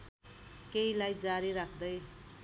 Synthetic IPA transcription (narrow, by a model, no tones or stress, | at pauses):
keilajd͡zaɾiɾakʰd̪ʌj